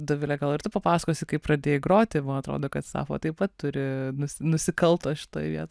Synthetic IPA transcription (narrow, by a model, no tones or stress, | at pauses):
d̪oʋʲɪlʲɛɡɐlˠɪɾt̪ʊpɐpɑːsɐ̥koːsʲɪkɐɪpɾɐd̪ʲeːjɪɡɾoːt̪ʲɪmɐnɐt̪ɾo̰ːd̪oːkɐt̪sɑ̰ːfo̰t̪ɐɪppɐt̪ːʊɾʲɪnʊsʲnʊsʲɪkɐlˠt̪oːʃʲɪ̥t̪o̰ːjʋʲḭɛt̪oː